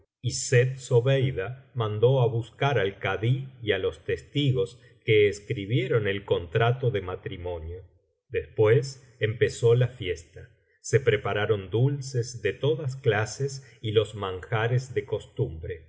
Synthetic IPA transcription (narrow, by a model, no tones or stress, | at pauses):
iset̪̚so̞βejðamand̪o̞aβuskaɾalkaðiialo̞st̪est̪iɣo̞s | keːskɾiβjeɾo̞nelko̞nt̪ɾat̪oðemat̪ɾimo̞njo | ðespwes | empe̞so̞lafje̞st̪a | se̞pɾepaɾaɾo̞nd̪ulsezðet̪o̞ðas̬klases | ilo̞zmaŋxaɾezðe̞ko̞st̪umbɾe